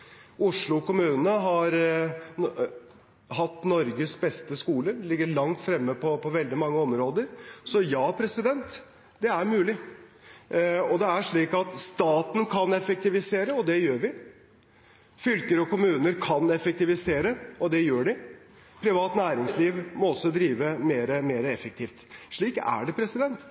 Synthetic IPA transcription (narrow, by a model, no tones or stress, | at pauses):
ʊʂɭʊkʊmʉːnəɦɑɾ | hɑt̪ːnɔɾɡəsbɛst̪əskuːləlɪɡːəɭɑŋt̪fɾɛmːəpʰɔpʰɔʋɛld̪ɪmɑŋːəɔmɾoːd̪əɾsɔjɑːpʰɾɛsɪd̪ɛnt̪ | d̪ɛæɾmʉːlɪ | ɔd̪ɛæʂɭiːkɑt̪st̪ɑːt̪n̩kʰɑnɛfək̚t̪ɪʋɪseːɾəɔd̪ɛjøːɾʋɪ | fʏlkəɾəɔkʊmʉːnəɾkʰɑnɛfək̚t̪ɪʋɪseːɾəɔd̪ɛjøːɖɪ | pʰɾɪʋɑːt̪næːɾɪŋsliːʋmɔɔsːɔd̪ɾiːʋəmeːɾəmeːɾəɛfək̚t̪ʰiːft̪ʂɭiːkæ̰ɖɛpʰɾɛsɪd̪ɛnt̪